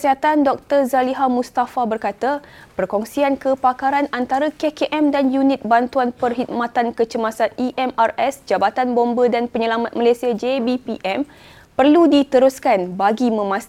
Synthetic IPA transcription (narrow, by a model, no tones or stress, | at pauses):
siɦat̪andɔk̚t̪ərzaliɦamũst̪afabərkat̪apərkɔŋsiankəpakaɾanant̪aɾakekeʔɛmdanjunɪt̪̚bant̪uanpərɦit̪̚mãt̪ankət͡ʃəmasaniʔɛmarɛsd͡ʒabat̪anbɔmbədanpəɲəlamat̪̚məlasiad͡ʒebipiʔɛm | pərludit̪əɾuskanbaɡimə̃mãs